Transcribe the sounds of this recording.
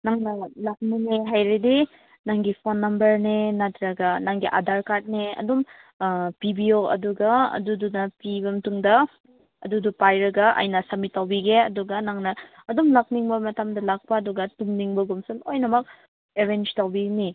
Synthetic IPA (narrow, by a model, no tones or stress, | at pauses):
naŋnɐlak̚niŋeɦajɾedi | naŋɡipʰonːɐmbɐɾnenatɾɐɡɐnaŋɡiʔadʱaɾkat̚neɐ̰dum | pibioɐ̰duɡɐɐ̰dudunɐpibɐmtuŋdɐ | ɐ̰dudupajɾɐɡɐɐ̰jnɐsɐmitːawbiɡeɐduɡɐnaŋnɐːdumlak̚niŋbɐmɐtamdɐlak̚pɐːduɡɐtumniŋbɐɡumsɐlojnɐmɐk̚ | eɾend͡ʒtawbini